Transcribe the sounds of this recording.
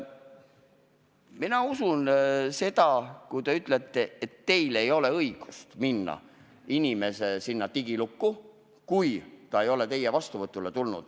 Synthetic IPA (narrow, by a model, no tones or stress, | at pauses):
minɑusunse̞t̪ɑkujt̪e̞yt̪ˑle̞t̪ːˑe̞et̪ːe̞jle̞jo̞le̞ɤiɡ̥u̥st̪minːɑ̰ | inime̞se̞sinːɑt̪iɡ̥ilukːu | kujt̪ɑe̞jo̞le̞t̪e̞jevɑst̪uvɤt̪ːˑule̞t̪ulnṵd̪̥